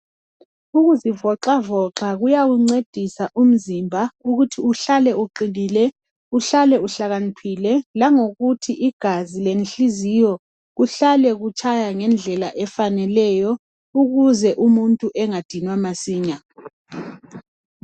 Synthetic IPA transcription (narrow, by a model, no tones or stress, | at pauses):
uɣuzivɔǁavɔǁaɣujaɣuŋ͡ǀed̥ʱisaʔum̩zimbʱauɣutʰiuɬalɛuǃiliːlɛ | uɬalɛuɬaɣanipʰilɛlaŋoɣutʰiʔiɡ̥ʱazilenɬizijɔ | ɣuɬalɛɣut͡ʃʼʰajaŋɛnd͡ɮʱɛlaʔɛfanɛlɛjɔ | uɣuzɛʔumuntʼuʔɛŋad̥ʱinwamasiːɲa